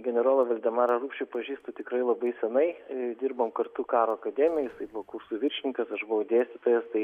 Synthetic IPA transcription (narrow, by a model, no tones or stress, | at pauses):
ɡʲɛnʲɛɾoːlˠoʋɐlʲd̪ʲɛmɑːɾɐruːpʲʃʲt͡ʃʲʊpɐʒʲiːst̪ot̪ʲɪkɾɐɪlˠɐbɐɪsʲɛnɐɪd̪ʲɪrboːmkɐrt̪ʊkɑːɾoːɐkɐd̪ʲɛmʲɪjɛjɪsɐɪbʊʋokursuːʋʲɪɾʲʃʲɪnʲɪŋkɐsɐʃbʊʋɐʊd̪ʲeːsʲt̪ʲɪt̪oːjɛst̪ɐɪ